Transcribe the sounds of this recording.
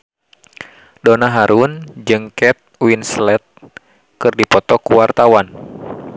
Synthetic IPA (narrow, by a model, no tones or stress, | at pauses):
dɔnaɦaɾund͡ʒɨŋkɛt̪̚winslɛt̪̚ | kɨrdipɔt̪ɔkuwart̪awan